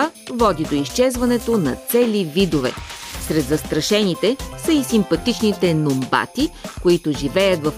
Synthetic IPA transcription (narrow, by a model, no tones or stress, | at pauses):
vɔd̪id̪oiʃt͡ʃɛzvɐnɛt̪onɐt̪sɛlivid̪ovɛ̰sɾɛd̪zɐst̪ɾɐʃɛnit̪ɛsɐisimpɐt̪it͡ʃnit̪ɛnomba̰t̪ikoit̪oʒivɛjət̪vɐf